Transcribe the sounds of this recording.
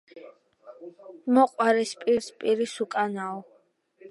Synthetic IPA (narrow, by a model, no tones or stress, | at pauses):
mɔqʼwaɾɛspʼiɾspʼiɾisukʼanaɔ